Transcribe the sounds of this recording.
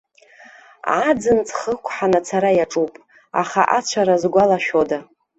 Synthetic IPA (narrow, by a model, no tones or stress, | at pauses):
ad͡zɨnt͡sʰχəkʷʰʼħanat͡sʰaɾajaʈ͡ʂʼupʼ | a̰χa̰ʔat͡ɕʷʰaɾazɡʷalaʃᶣoda